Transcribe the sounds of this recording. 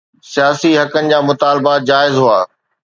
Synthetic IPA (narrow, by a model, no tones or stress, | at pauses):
sijaːsiɦɐkənɪ̆d͡ʑaːmʊt̪aːlbad͡ʑaːɪzɦua̰ː